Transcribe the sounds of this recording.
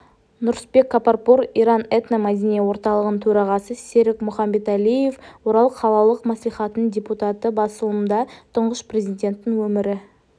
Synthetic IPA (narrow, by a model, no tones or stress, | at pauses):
nʊɾspe̞kːaparpoɾijɾɑnet̪namæd̪ʲinewo̞ɾt̪ɑlˠəʁəət̪ʰɵɾɑʁɑsəse̞ɾɪkmʊχɑmbe̞t̪ælije̞fwoɾɑlˠqʰɑlˠɑlˠəqmɑslˠiχɑt̪ənənd̪ʲe̞put̪ɑt̪əbɑsəlˠəmənd̪ɑt̪ʰʊɴʁəspre̞zidʲe̞nt̪ːɪŋwɵmɪɾɪ